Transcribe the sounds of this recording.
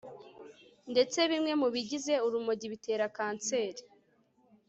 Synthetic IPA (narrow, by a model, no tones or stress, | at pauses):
nde̞t͡se̞βimŋe̞muβiɟize̞uɾumoɟiβite̞ːɾakaːnt͡se̞ːɾe